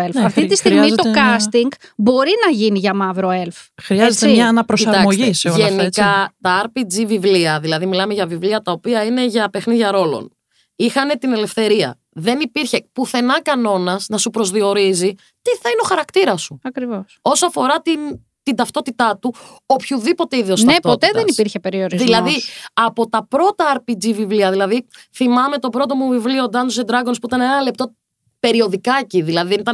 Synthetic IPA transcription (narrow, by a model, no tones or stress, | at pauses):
elfɐft̪it̪ist̪iɣmizt̪o̞kɐst̪iŋɡbo̞ɾinɐʝiniʝɐmɐvɾoelfxɾiɐzet̪ɐnɐpɾosiɐɾɾɐmoʝiseoʝenikɐt̪ɐɐɾpid͡zivivliɐðilɐðimilɐme̞ʝɐvivliɐt̪ɐo̞piɐine̞ʝɐpe̞xniðʝɐɾo̞lo̞̰n | ixɐne̞t̪ine̞le̞fθe̞ɾiɐ̰ | ðe̞nipiɾçe̞puθe̞nɐkɐno̞nɐznɐsupɾo̞zðio̞ɾizi | t̪iθɐineo̞xɐɾɐkt̪iɾɐsuɐkɾivoso̞soɐfo̞ɾɐt̪in | t̪ind̪ɐft̪o̞t̪it̪ɐt̪u | opçuðipo̞t̪eiðiosnepot̪eððenipiɾçepeɾioɾizðilɐðiɐpo̞t̪ɐpɾo̞t̪ɐːɾpid͡zivivliɐðilɐðiθimɐme̞t̪o̞bɾo̞t̪̬o̞muvivlio̞d̪ɐnosed̪ɾɐɡonspuit̪ɐnenɐle̞p̚t̪o̞ | pe̞ɾio̞ðikɐciðilɐðiðenit̪ɐn